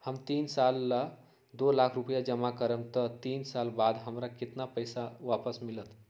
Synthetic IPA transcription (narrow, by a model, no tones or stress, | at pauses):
həmt̪insalːa | d̪olakʰɾupəjad͡ʒəmakəɾəmt̪ət̪iːnsalbad̪ɦəmɾakɪt̪napəjsaʋapəsmilət̪